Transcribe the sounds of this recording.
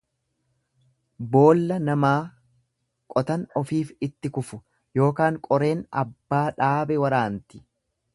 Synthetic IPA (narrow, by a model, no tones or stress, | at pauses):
bo̞ːlːɐnɐmaː | kʼɔt̪ɐnɔfiːfɪt̪ːɪkʊfʊ | jo̞ːkaːŋkʼɔɾe̞ːnɐ̰bːaːᶑaːbɛwɐɾaːnt̪ɪ̥